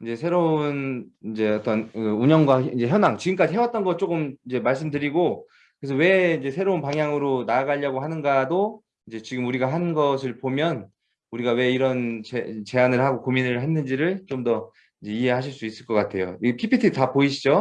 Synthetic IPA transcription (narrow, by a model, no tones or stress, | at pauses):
id͡ʑe̞sʰe̞ɾounid͡ʑe̞ʌt͈ʌnkɯuɲʌŋɡwaid͡ʑe̞çjʌnaŋt͡ɕiɡɯmk͈ad͡ʑiɦewat̚t͈ʌnɡʌt̚t͡ɕ͈okɯmid͡ʑe̞maɭs̬͈ɯmdɯɾiɡo | kɯɾesʰʌwe̞ind͡ʑe̞sʰe̞ɾounpaŋɦjaŋɯɾonaːɡaʎːʌɡoɦanɯnɡado | id͡ʑe̞t͡ɕiɡɯmuɾiɡaɦannɡʌs̬ʰɯɭpomjʌn | uɾiɡawe̞iɾʌnt͡ɕet͡ɕe̞anɯɭhaɡokominɯɭɦenːɯnd͡ʑiɾɯɭt͡ɕomdʌ | id͡ʑe̞iɦe̞ɦaɕ̬ʰiɭs͈uis͈ɯɭk͈ʌk͈atʰe̞jo̰pʰipʰitʰitapoiɕʰid͡ʑo